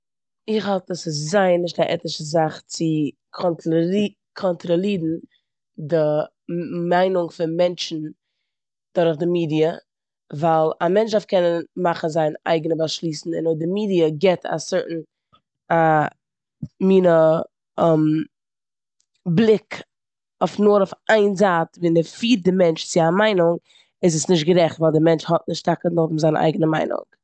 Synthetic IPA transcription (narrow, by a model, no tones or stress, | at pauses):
ɪχhalˠtɔsɪs̬zaɪnːɪʃ̬taʔɛ̰tɪʃəzaχt͡sɪ | kʰɔnt | kʰɔntɾɔlˠiːdn̩ | dɪ | maɪnʊŋfɪnmɛnt͡ʃn̩ | d̥ʊɾχdɪmiːdiə | vaɪlˠamɛnt͡ʃdafkʰɛnənmaχn̩zaɪna̰ɪɡənəbaʃlˠiːsn̩ɪ̰nɔdɪmiːdiəɡɛtʰa̰sɪɾtn̩ | a | miːnə | m | blˠɪk | ɔfnʊɾʊfaɪnzaːtvinɛfiːt̚dɪmɛnt͡ʃt͡sɪamaɪnʊŋ | ɪs̬əsnɪʃ̬tɡəɾɛχtvaɪlˠdɪmɛnt͡ʃhɔt̚nɪʃtakənodm̩zaɪn̰ʔa̰ɪɡənəma̰ɪnʊ̰ŋ